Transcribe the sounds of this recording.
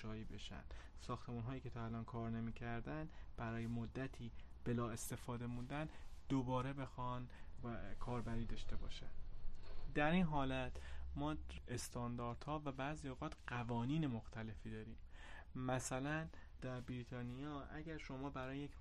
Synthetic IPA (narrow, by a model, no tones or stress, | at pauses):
ɒːjiːbe̞ʃæ̰nd̥̪ | sɒːxt̪ʰe̞muːnɦɒːjiːcʰe̞t̪ʰɒːælɒːnkʰɒːɾne̞miːcʰæɾd̪ænd̪b̥æɾɒːjemod̪ːæt̪ʰiːb̥e̞lɒːe̞st̪e̞fɒːd̪e̞mund̪ænd̪̥obɒːɾe̞be̞xɒn | kʰɒːɾbæɾiːd̪ɒʃt̪e̞bɒ̰ːʃæn | d̪̥æɾiːnɦɒːlæt̪ʰmɒːest̪ʰɒːnd̪ɒːɾd̪̥hɒːvæbæzioɣɒːt̪ʰɢævɒːniːne̞moxt̪ʰæle̞fiːd̪ɒːɾiːm | mæsælænd̪̥æɾbɾiːt̪ʰɒːnijɒːʔæ̰ɟæɾʃo̞mɒːbæɾɒːjejekʰ